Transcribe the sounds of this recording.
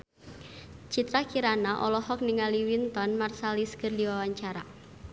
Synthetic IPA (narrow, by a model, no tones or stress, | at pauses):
t͡ʃit̪ɾakiɾanaʔɔlɔhɔk̚niŋaliwint̪ɔnmarsaliskərdiwawaɲt͡ʃaɾa